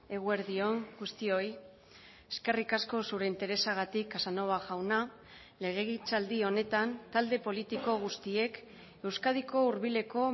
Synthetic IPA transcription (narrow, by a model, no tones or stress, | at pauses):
e̞ɣ̞ue̞ɾðio̞ŋɡust̪io̞j | eske̞rikasko̞suɾe̞int̪e̞ɾe̞saɣ̞at̪ikasano̞βaʝawna | le̞ɣ̞e̞ɣit͡sald̪io̞ne̞t̪ant̪ald̪e̞po̞lit̪iko̞ɣ̞ust̪ie̞k | e̞wskað̞iko̞uɾβile̞ko̞